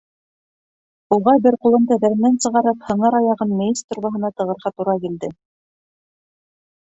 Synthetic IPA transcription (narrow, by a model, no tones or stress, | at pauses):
uʁɑbɘɾqulˠɤ̆md̪ɤbæɾɘ̆nːænsɤ̆ʁɑɾɤphɤ̆ɴɑɾɑjɑʁɤnmejist̪ŏɾβɑɦɤ̆nɑt̪ɤ̆ʁɤ̆ɾʁɑt̪uɾɑkild̪ɘ